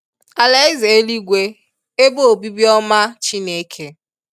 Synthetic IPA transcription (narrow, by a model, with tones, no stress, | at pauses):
a˨la˦e˦ze˨e˦li˦ɡʷe˦ | e˦bo˦o˨bi˦bjɔ˦ma˦t͡ʃi˦ne˦kʰe˦